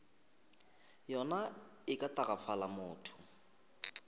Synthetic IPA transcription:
jɔna | ɪkʼatarapfʰalamʊːtʰʊ̥

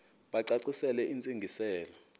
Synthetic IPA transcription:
ɓaǀaǀisɛlɛʔint͡sʼeŋɡʱisɛːla

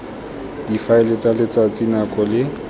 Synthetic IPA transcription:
difaɪlet͡sʼalɪt͡sʼat͡sʼinakʼɔlɪ

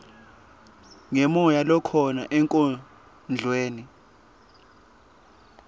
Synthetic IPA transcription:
ŋɛmɔjalɔkʰɔnaʔɛŋkʼɔ | nd͡ɮʱweːni

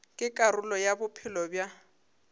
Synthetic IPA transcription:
kʼɪkʼarʊlɔjabʊpʰɪlɔbja

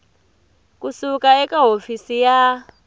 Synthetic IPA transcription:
kusukaɛkaɦofisija

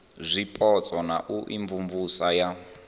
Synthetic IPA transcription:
zʷipʼɔt͡sʼɔnaʔuʔiɱvumvusaja

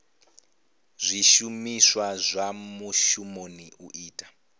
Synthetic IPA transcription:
zʷiʃumiswazʷamuʃumoniuʔiːtʼḁ

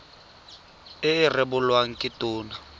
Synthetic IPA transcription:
ɪɪrɪbʊlwaŋ̩kʼɪtʼʊːna

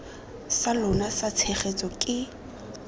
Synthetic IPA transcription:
salʊnasat͡sʰeχet͡sʼɔkʼɪ

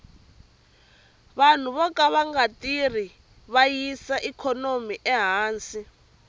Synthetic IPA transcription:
βan̤uβɔkaβaŋɡatʼiri | βajisaʔikʰɔnomiʔɛɦaːnsi

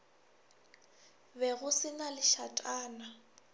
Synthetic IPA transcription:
bɛɣʊsɪnalɪʃatʼaːna

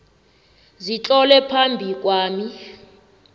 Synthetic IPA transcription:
zit͡ɬʼɔlɛpʰambʱik̬ʼwaːmi

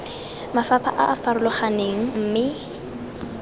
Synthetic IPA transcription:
mafapʰa̰ʔaʔːfaɾʊlɔχaneŋ̩m̩mɪ

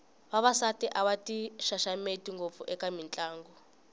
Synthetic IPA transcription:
βaβasatiʔaβatiʃaʃametiŋɡop̪fuʔɛkamint͡ɬʼaːŋɡɔ

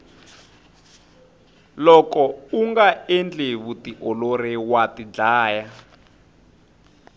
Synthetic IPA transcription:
lɔkɔuŋɡaɛnd͡ɮeβutiʔɔloɾɛwatid͡ɮaːja

